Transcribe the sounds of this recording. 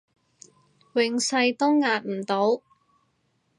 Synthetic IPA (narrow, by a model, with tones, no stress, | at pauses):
wɪ˨˧ŋsɐ˧jt̪ʊ˥wŋaː˧t̚m̩˨˩t̪o˨˥w